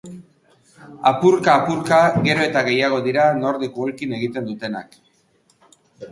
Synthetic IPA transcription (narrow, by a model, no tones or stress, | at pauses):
apuɾkaːpuɾkaɣe̞ɾo̞e̞t̪aɣe̞jaɣ̞o̞ðiɾano̞ɾðikuolkine̞ɣit̪e̞nd̪ut̪e̞na̰k